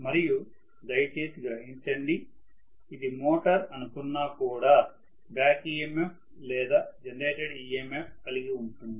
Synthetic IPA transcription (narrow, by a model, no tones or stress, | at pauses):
mɐɾiju | d̪ɐjɐt͡ʃeːt̪iɡɾɐɦiɲt͡ʃɐɳɖi | id̪imoːʈɐɾɐnukunːaːkuːɽaː | baːkiːemep | lɛːd̪aːd͡ʒɐnleːʈeɖiːemepkɐliɡiuɳʈund̪i